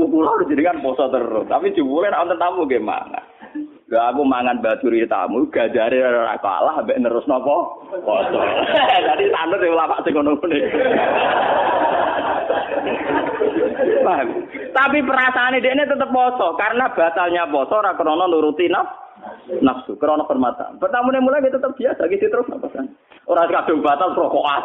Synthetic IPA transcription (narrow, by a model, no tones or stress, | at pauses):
ukuladud͡ʒiniŋanpɔsɔt̪əɾʊːapi̥d͡ʒ̥upulɛnaʔɔnt̪ɔnt̪amuɡɛma̰ŋa̰n | doakumaŋanbat͡ʃuɾit̪a̰muɡ̥ad͡ʒaɾiɾa̰ka̰lahmbɛʔnəɾʊsnɔpɔpɔsɔd͡ʒadit̪andʊt̪̚jawlapaʔsɪŋkɔnukunɪ | pam | t̪apipəɾasaːnidɛʔnet̪ət̪əp̚pɔsɔkaɾənab̥a̤t̪alɲapɔsɔoɾakəɾɔnɔnuɾut̪inaf | nafsukəɾɔnɔfərmat̪a̰npərt̪amunemulajkit̪ət̪ːəp̚b̥iasakisit̪əɾʊsnɔpɔsan | oɾaskad̥ʊŋb̥a̤t̪alpɾɔkɔʔas